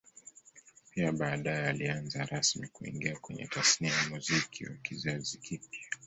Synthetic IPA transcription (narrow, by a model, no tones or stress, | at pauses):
piaɓaːɗajɛalianzaɾasmikuḭŋɡiakwɛɲɛ̰tasniajamuzikʰḭwa̰kizazikipja